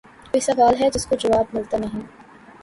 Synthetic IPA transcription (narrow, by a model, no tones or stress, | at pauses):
koɪsɐʋaːlɦɛd͡ʒɪskod͡ʒɐʋaːb̚mɪlt̪anɐɦĩː